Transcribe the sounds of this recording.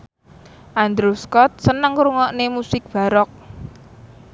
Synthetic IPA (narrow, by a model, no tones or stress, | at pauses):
ʔand̪ɾuskɔt̪̚sənəŋɾuŋɔʔnemusɪk̚b̥ä̤ɾɔk̚